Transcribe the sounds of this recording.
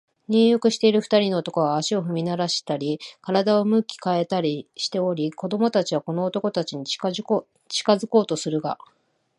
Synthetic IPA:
ɲ̟ɨːjokɯ̟ɕi̥t̪e̞iɾɯ̟ɸɯ̟̥t̪aɾʲino̞ːt̪o̞ko̞βaːɕio̞ɸɯ̟mʲinaɾaɕi̥t̪aɾʲikaɾad̪ao̞mɯ̟kʲi̥kae̞t̪aɾʲiɕi̥t̪e̞o̞ɾʲiko̞d̪o̞mo̞t̪at͡ɕiβako̞no̞ːt̪o̞ko̞t̪at͡ɕiɲ̟i̥ | t͡ɕi̥kazɨko̞ːt̪o̞sɨɾɯ̟ɡa̰

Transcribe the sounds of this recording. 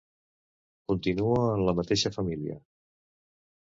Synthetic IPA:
kunt̪inuəːnləmət̪eʃəfəmilḭə̰

